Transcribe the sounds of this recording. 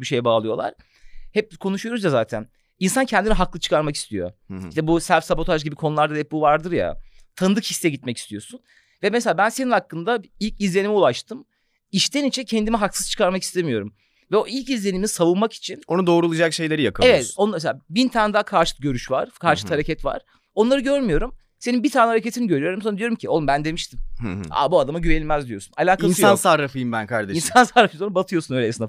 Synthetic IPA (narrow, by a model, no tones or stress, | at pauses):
biʃejɛbaːlˠɯjo̞̰lˠa̰ɾ̥ | hɛp̚bikʰo̞nuʃujo̞ɾuzjazaːt̪ʰæ̰n | insancʰɛnd̪iniɦaklˠɯt͡ʃʰɯ̥kʰaɾmaki̥st̪ʰijo̞̰iʃt̪ɛbusæɾfsabo̞t̪ʰaʒɟibikʰonulˠaɾd̪ad̪ɛp̚buvaɾd̪ɯɾja̰t̪ʰanɯd̪ɯkhisːɛɟit̪mɛci̥st̪ʰijo̞sun | vɛmeselʲaːbænseninhakːɯnd̪ailʲcizlʲe̞nimiulˠaʃt̪ʰɯm | iʃt̪ʰɛnit͡ʃʰincʰɛnd̪imiɦaksɯz̥t͡ʃʰɯ̥kʰaɾmakist̪ʰemijo̞ɾum | vɛoʔilʲcizlʲe̞niminisavunmaki̥t͡ʃʰino̞nud̪o̞ːɾulˠad͡ʒakʃe̞jlʲe̞ɾijakʰɯaevɛt̪onameseabint̪ʰaːnd̪akʰaɾʃɯ̥t̪̚ɟø̞ɾyʃva̰ɾ̥kʰaɾʃɯ̥t̪haɾecʰɛt̪va̰ɾ̥ | o̞nlˠaɾɯɟøɾmyjo̞ɾum | se̞ninbit̪ʰaːnɛhaɾecet̪ʰiniɟø̞ɾyjo̞ɾumsond̪ijo̞ɾumcʰio̞lˠmbænd̪e̞miʃt̪ʰima̰buad̪amaɟyvenʲilʲmɛzd̪ijo̞sunalʲaːkainsjansaɾafɯjɯmbænkʰaɾd̪einsansaɾafɯonbat̪ʰɯjo̞sunøjlʲesna